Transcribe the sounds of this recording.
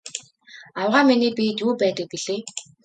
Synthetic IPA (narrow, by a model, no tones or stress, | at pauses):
awʁaːminiːpit̪uːpæːt̪ə̆k̚piɮeː